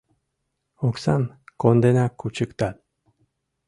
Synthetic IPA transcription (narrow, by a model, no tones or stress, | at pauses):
oksan | kond̪enakut͡ʃɨkt̪at̪̚